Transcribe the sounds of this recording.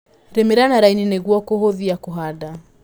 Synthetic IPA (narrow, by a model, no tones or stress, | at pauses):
ɾemeɾanaɾainineɣwɔkoɦoðiakoɦada